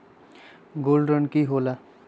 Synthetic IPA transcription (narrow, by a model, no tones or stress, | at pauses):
ɡolrʌnkiɦola